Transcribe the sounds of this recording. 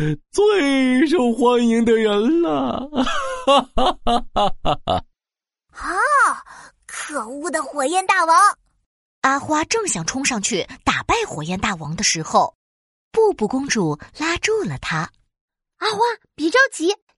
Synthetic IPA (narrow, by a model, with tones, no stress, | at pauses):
t͡swe˥˩ɪʂo˥˩ʊxwa˥ni˧˥ŋd̪ə˧ɻə˧˥nlə˧ | xa˧˥ | kʰɤ˨˩u˥˩d̪ə˩xwɔ˨˩jɛ˥˧nt̪a˥˩wɑ˧˥ŋ | a˥xwa˥ʈ͡ʂɤ˥˩ŋɕjɑ˨˩ŋʈ͡ʂʰʊ˥ŋʂɑ˥˧ŋt͡ɕʰy˥˩t̪a˨˩pa˥˩ɪxwɔ˨˩jɛ˥˧nt̪a˥˩wɑ˧˥ŋd̪ə˧ʂɻ̩˧˥xo˥˧ʊ | pu˥˧pu˥˩kʊ˥ŋʈ͡ʂu˨˩la˥ʈ͡ʂu˥˩lə˩t̪ʰa˥ | a˥xwa˥pi˨˩ʈ͡ʂjɑ˥˧˩ʊt͡ɕi˧˥